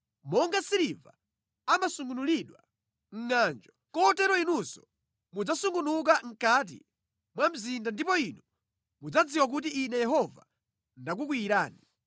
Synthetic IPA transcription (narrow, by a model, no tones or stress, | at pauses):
mɔŋɡasiɾiva̰ | amasuŋɡunuliɗwa | ŋ̩ŋaːnd͡ʒɔkɔtɛɾɔinusɔ | mud͡zasuŋɡunuk̬aŋ̩kat̬ḭ | mwam̩zindandipɔinu | mud͡zad͡ziwak̬ut̬iinɛjɛɦɔva̰ | ndak̬uk̬wiːɾaːni